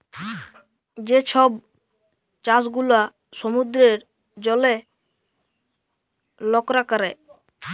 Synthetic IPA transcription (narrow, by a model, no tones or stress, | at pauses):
d͡ʑet͡ɕʰɔb | t͡ɕas̬ɡula | ʃɔmud̪ɾeɾ | d͡ʑɔle | lɔkɾakaɾe